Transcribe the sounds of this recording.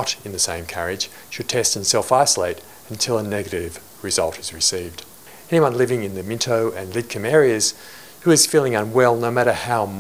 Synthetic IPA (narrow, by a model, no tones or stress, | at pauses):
ɾɨ̃nðɨsẽɪ̃mkʰæɹɪd̥ʒ̥ | ʃɨd̚tʰɛstn̩sɛlˠfaɪsəleɪɾ | ɨ̃ntʰɪlˠənɛɡɨɾɪv | ɹɨzʌ̰lˠtʰɨzɹɨsivd̥ | ɛniwʌ̃nlɪvɪ̃ŋɨ̃nðɨmɪ̃ntʰoʊʔɨ̃nlɪd̚kʰɨ̃mɛɹiɨz̥ | hʉɨz̥filˠɪ̃ŋə̃nwɛlˠnoʊmæɾə˞haʊm